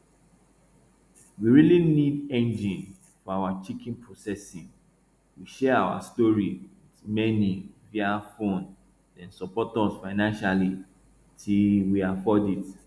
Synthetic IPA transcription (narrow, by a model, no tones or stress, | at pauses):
wiɹilinidɛ̃nd͡ʒĩn | fɔawat͡ʃikĩnpʰɹosɛsĩn | wiʃɛawa̰stɔɹiwitmɛniviafõn | ɛ̃nsɔpɔtɔ̃sfaɪnãnʃali | tʰiwiafɔdid